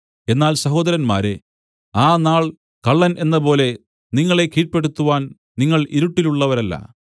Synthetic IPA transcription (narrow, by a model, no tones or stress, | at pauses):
e̞nːaːlsɐɦo̞ːd̪ɐɾɐnma̰ːɾe | aːnaːɭ | kɐɭːɐnʔe̞nːɐpo̞ːle̞ | niŋːɐɭe̞kiːʈ̚pe̞ɽut̪ːuʋaːn | niŋːɐɭiɾuʈːiluɭːɐʋɐɾɐlːɐ̰